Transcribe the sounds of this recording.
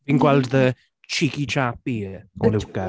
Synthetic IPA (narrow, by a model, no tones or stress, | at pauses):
vinɡwɛlˠdðə | t͡ʃʰikit͡ʃʰapiːɔlukə